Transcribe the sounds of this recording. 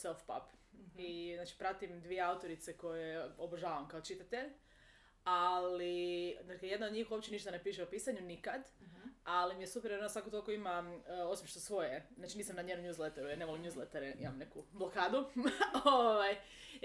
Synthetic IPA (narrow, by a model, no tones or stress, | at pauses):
selfpa̰piznaːt͡ʃi̥pɾat̪imd̪ʋije̞aut̪o̞ɾit̪seko̞jeoboʒaːʋamkaot͡ʃit̪at̪eʎ | aliznakje̞d̪naod̪ɲiːxuo̞p̚t͡ɕe̞niʃt̪anepiːʃ̬eopiːsaɲunikad̪alimijesupeɾjeonosakot̪olkoimao̞simʃt̪osʋo̞jeznaːt͡ʃiniːsamnaɲenomɲjuːzlet̪eɾujeɾne̞ʋolimɲjuːzlˠet̪aɾeḭmamne̞kublokaːd̪uoʋaj